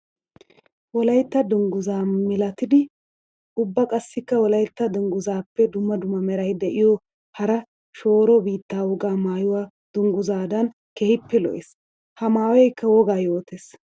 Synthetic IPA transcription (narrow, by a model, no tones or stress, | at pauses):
wɔlɐjt̪ːɐd̪ʊŋɡʊzaːmɪlɐt̪ɪd̪ɪ | ʊbːɐkʼɐsːɪkːɐwɔlɐjt̪ːɐd̪ʊŋɡʊzaːpːɛd̪ʊmːɐd̪ʊmːɐmɛɾɐjd̪ɛʔɪjɔ | hɐɾɐ | ʃo̞ːɾɔbiːt̪ːaːwɔɡaːmaːjʊwaː | d̪̥ʊŋɡʊzaːd̪ɐn | kɛhɪpːɛlɔ̰ʔes | hɐmaːwɛjkːɐwɔɡaːjoːt̪es